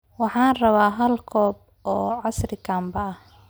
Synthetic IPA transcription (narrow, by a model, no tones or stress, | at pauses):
wɑħɑːnrɐβaːɦɐlkʰɔːb̚ | ɔːʕɑsrɪkʰaːmbɐɐh